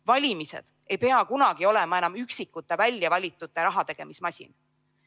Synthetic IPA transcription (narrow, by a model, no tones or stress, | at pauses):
vɑlʲimise̞̰d̪̥ | e̞jpe̞ɑkunɑɡ̥io̞le̞mɑe̞nɑmyksikːˑut̪ːˑe̞vælʲːjɑvɑlʲit̪ːˑut̪ːˑeɾɑɦɑt̪e̞ɡ̥e̞mismɑsʲḭn